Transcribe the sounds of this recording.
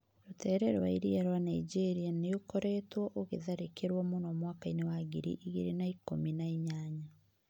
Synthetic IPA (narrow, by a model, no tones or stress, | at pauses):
ɾotɛːɾɛɾwa̰iɾiaɾwanaid͡ʑeɾianeokoɾɛtwɔʔoɣeðaɾekeɾwɔmonɔmwakainewaːɡiɾḭʔiɣiɾenaikominaeɲaːɲa